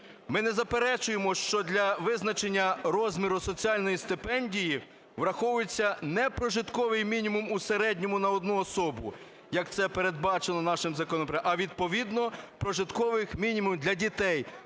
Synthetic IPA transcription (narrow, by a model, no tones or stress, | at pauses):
mɪnɛzɐpeɾɛt͡ʃʊjemɔʃt͡ʃɔd̪ʲlʲɐʋɪznɐt͡ʃenʲːɐɾɔzmʲiɾʊsɔt͡sʲiɑlʲnɔjist̪ɪpɛnʲdʲiji | ʋɾɐxɔwʊjet͡sʲːɐnɛpɾɔʒɪt̪kɔʋɪjmʲinʲimumuseɾɛdʲnʲɔmʊnɐɔd̪nuɔsɔbʊ̰ | jɐkt̪sɛpeɾed̪bɑt͡ʃenˠɔnɑʃɪmzɐkɔnɔpɾɐʋʲid̪̚pɔʋʲid̪nɔpɾɔʒɪt̪kɔʋɪxmʲinʲimumd̪lʲɐdʲit̪ɛj